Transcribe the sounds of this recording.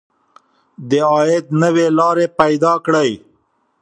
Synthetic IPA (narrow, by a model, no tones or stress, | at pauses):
d̪əɑjɪt̪nəwelɑɾepajd̪ɑkɽəj